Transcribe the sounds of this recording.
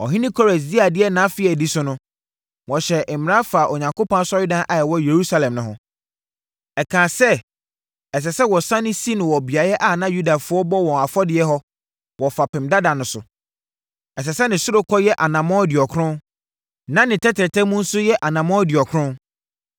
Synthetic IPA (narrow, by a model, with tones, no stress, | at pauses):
ɔ˨ɦɪ̃˦nɪ̃˦kʰɔ˦ɾɛ˨s̬di˦a˨dɪ˦ɛ˦nã˨˦fɪ˦ɛ˨di˦sʊ˦nʊ̃˦ | wɔ̃˨ɕɛ˨mɪ˨ɾã˦fa˨ʔɔ˨ɲã˨ŋkʰo˦pã˦n˦sɔ˦jʊ˦dã˦nʔa˨jɛ˨wɔ˦je˨ɾu˦sa˦lɛ̃˨mnʊ̃˨ɦʊ̰̃˦ | ɛ˨kʰãː˨sɛ˦ | ɛ˨s̬ɛ˨sɛ˦wɔ˨sã˦nɪ̃˦si˦nʊ̃˨wɔ˨bi˨a˨jɛ˦ʔa˦˨nã˦ju˦da˨fʊ˦ɔ˦bɔ˦wɔ̃˨a˨fɔ˦dɪ˨˦ɛ˦ɦɔ˦ | wɔ˨fa˨pʰɪ̃˨mda˦dã˨nʊ̃˨˦sʊ˨ | ɛ˨s̬ɛ˨sɛ˦nɪ̃˨sʊ˦ɾʊ˦kʰɔ˦jɛ˦ʔa˨nã˨mɔ̃˦dɪ˨ɔ˨kʰɾʊ̃˦n | nã˦nɪ̃˨tʰɛ˦tʰɪ˨ɾtʰɛ̃˦mʊ̃˦n̩˦sʊ˦jɛ˦ʔa˨nã˨mɔ̃˦dɪ˨ɔ˨kʰɾʊ̃˦n